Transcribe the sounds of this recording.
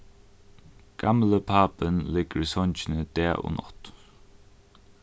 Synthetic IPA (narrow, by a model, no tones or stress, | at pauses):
ɡ̥amləpʰaːpənlɪɡ̥əɾisɔnt͡ʃɪnəd̪̥ɛːʔo̰ːnɔ̰t̪